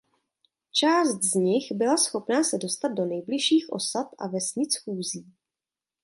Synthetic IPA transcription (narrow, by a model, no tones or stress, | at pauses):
t͡ʃaːst̪zɲɪxbɪlasxo̞pnaːsɛdo̞st̪ad̪̚do̞nɛjblɪʃiːxʔo̞̰sat̪ʔa̰vɛsɲɪt͡sxuːziː